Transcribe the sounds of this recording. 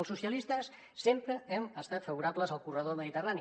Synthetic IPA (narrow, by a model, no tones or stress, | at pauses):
əlˠsusiəlist̪əsː | empɾəɛməst̪at̪fəβuɾabləzəlˠkurəð̞oməðit̪ərani